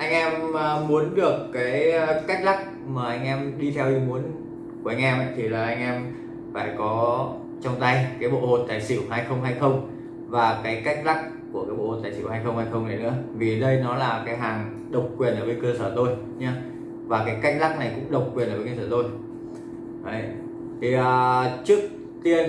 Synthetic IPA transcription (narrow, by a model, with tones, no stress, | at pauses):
ʔa˧jŋ̟ʔɛ˧mː˨˩u˨˦ənɗɨ˨˩əkːaː˨˦jka˦˥jk̟̚la˦˥k̚ | maː˨˩ʔa˧jŋ̟ʔɛ˧mɗi˧t̪ʰɛ˧wɗi˧mu˨˦ən | ku˨˧˩əʔa˧ŋ̟ʔɛ˧mʔə̰˧˨jt̪ʰi˨˩laː˨˩ʔa˧jŋ̟ʔɛ˧m | faː˧˩jkɔ˨˦ | t͡ɕɔ˧wŋ͡mt̪a˧jkaː˨˦jɓo̰˧˨ho̰˨˩n̚t̪aː˨˩jsḭ˧˩˨wɦaː˧jxə˧wŋ͡mɦaː˧jxə˧wŋ͡m | vaː˨˩kaː˨˦jka˦˥k̚la˦˥k̚ | kːu˧˩əkaː˨˦jɓo̰˧˨ho˨˩t̪aː˨˩sḭ˧˩whaː˧jxə˧wŋ͡mhaː˧jxə˧wŋ͡mna˨˩jnɨ̰˧˥əvi˨˩ɗə˧jnɔ˨˦laː˨˩kaː˨˦jɦaː˨˩ŋ | ɗə˨˩wk͡p̚kwi˨˩ənʔəː˧˩vəː˨˦jkəː˧səː˧˩t̪o˧j | ɲa˧ | vaː˨˩kaː˨˦jka˦˥k̚la˦˥k̚na˨˩jkʊ̰˧˥ŋ͡mɗə˨˩wk͡p̚kwi˨˩ənʔəː˧˩əː˨˦kə˧˩səː˧˩t̪o˧j | ʔə˨˧˩j | t̪ʰi˨˩ʔəː˨˩t͡ɕɨ˦˥ək̚ | t̪i˧ə